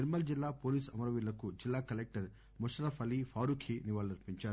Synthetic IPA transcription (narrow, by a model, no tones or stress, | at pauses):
eɾmɐld͡ʒilːaːpoːliːsɐmɐɾɐʋilːɐkud͡ʒilːaːkɐlek̚ʈɐɾ | muʃɾɐfɐlifʰaːɾuːkʰiniʋaːlniɾpiɲt͡ʃaːɾu